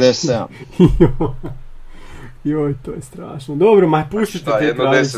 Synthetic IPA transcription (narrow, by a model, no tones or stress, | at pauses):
esio | iojt̪oːjest̪ɾa̰ːʃnod̪obɾomapuʃt̪it̪eetk̪ɾaːi